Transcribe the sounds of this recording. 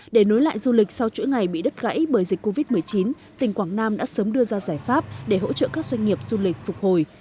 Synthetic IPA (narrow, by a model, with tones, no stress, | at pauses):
ɗe˧˩no˨˦jla̰ː˧˨jzu˧li˨˩k̟̚sa˧wt͡ɕṵ˧˥ŋa˨˩jɓḭ˧˨ɗə˦˥t̚ɣa̰˧˥jɓəː˧˩jzi˨˩k̟kːo˧vi˦˥t̚mɨ˨˩əjt͡ɕi˨˦n | t̪ï˨˩ŋ̟kwaː˧˩ŋnaː˧mɗa̰ː˧˥səː˨˦mɗɨ˧əzaː˧zaː˧˩jfaː˦˥p̚ɗe˧˩ɦo̰˧˥t͡ɕə̰ː˧˨kaː˦˥k̚zwa˧jŋ̟ŋi˨˩əp̚z̥u˧lï˨˩k̟̚fʊ˨˩k͡p̚ho˨˩j